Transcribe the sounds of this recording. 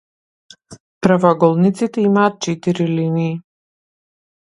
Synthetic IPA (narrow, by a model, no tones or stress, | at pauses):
pɾavaɡɔlˠnit̪sit̪ɛimaːt̪̚t͡ʃɛt̪iɾiliniː